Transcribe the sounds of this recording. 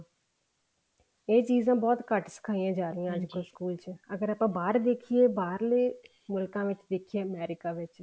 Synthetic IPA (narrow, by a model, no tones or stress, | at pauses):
eːt͡ʃiːzãːbɔːt̪kəʈsə̥kʰaːijãːd͡ʒaːɾəijãːəd͡ʒkoskuːlt͡ʃəɡəɾaːpãːbaːɾd̪eːkʰieːbaːɾleː | mʊlkãːʋɪt͡ʃd̪eːkʰieːəmɛːɾɪkaːʋɪt͡ʃ